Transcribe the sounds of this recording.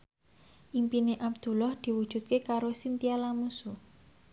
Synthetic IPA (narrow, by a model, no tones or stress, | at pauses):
ʔimpineʔab̚d̪̥ṳlɔhd̪̥i̤wu̥ʒ̥ṳt̪̚kekaɾosint̪ialamusu